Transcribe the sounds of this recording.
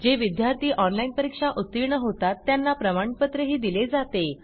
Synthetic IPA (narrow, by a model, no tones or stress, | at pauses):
d͡ʑeʋid̪jaɾt̪iːʔɔnlainpəɾikʂaʔut̪ːiɾɳəɦot̪at̪ːjanːapɾəmaɳ̃pət̪ɾəɦiːd̪iled͡zat̪e